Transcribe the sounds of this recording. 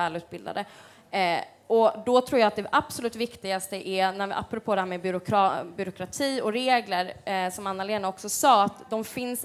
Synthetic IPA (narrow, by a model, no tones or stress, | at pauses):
ɛːlʉ̟ːt̪̚bɪld̪a̰d̪ə | ʔɔd̪ɔt̪ʰɾuːɾjɑːat̪̚d̪ɛʔapsɔlʉ̟ːt̪vɪkt̪ɪɡast̪əʔɛnæa̰pːɾʊpʰoːd̪ɛhæːmɛbʏɾʊkbʏɾʊkʰɾat̪ʰiːɔɾeːɡləɾsɔmanːaleːnaɔksɔsɑːat̪d̪ɔmfɪns